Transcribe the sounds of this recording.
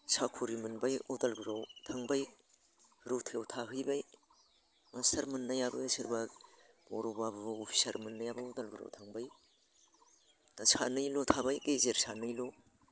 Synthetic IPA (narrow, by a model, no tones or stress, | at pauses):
sʰakʰuɾimɯnbajodalɡuɾawtʰaŋbaj | ɾotʰjawtʰaɦɯjbaj | mastɐɾmɯnːajabɯsɯɾba | bɔ̰ɾobabopʰi̥sɐɾmɯnːajabɯodɐlɡuɾa̰wtʰaŋbaj | nasʰanɯjlotʰabajkezeɾsʰanɯjlo